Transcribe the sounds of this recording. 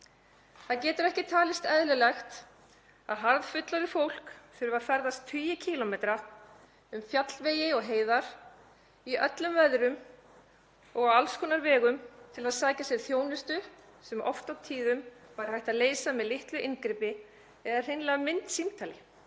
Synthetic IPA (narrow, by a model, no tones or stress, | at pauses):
θaðcɛːt̪ʏɾɛhcɪt̪ʰaːlɪst̪ɛðlʏlɛxt̪ | aðɦaɾðfʏt̪laðɪfowl̥kθʏɾʏvaðfɛɾðast̪ʰʏːjɪcʰiːlɔmet̪ɾa | ʏmfjat̪lveːjɪɔɣɦeːjðaɾ̥ | iœt̪lʏmvɛðɾʏm | ɔɣawalskʰɔnaɾvɛːɣʏmt̪ʰɪlaðsaːjcasjɛɾθjoːwnɪst̪ʏ | sɛmʔɔ̰ft̪awt̪ʰiːðʏmvaɾ̥hajht̪aðleːjsamɛðlɪht̪lʏʔɪnkɾɪpɪ | ɛðaɾ̥r̥ɪnlaamɪnt̪simt̪ʰaːlɪ